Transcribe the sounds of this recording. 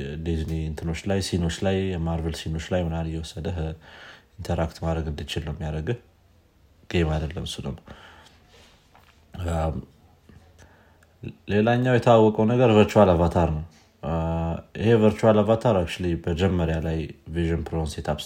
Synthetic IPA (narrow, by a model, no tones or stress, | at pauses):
d̪izniint̪ʰɨno̞t͡ʃːlajsino̞t͡ʃːlajɛmaɾvelsino̞t͡ʃːlajmɨnalɨjːɛwɔsːəd̪əɦ | int̪ʰəɾakt̪mad̪ɾəɡɨnd̪it͡ʃilːəwmːjaɾəɡɨh | ɡ̥emad̪əlːəmsɨlən | le̞laɲːawjɛt̪ʰawːɔkʼəwnəɡəɾvəɾt͡ʃualavat̪ʰaɾnəw | ʔihe̞vəɾt͡ʃualavat̪ʰaɾakt͡ʃlibəd͡ʒɛmːəɾjalajviʒonpʰɾonset̪ʰaβ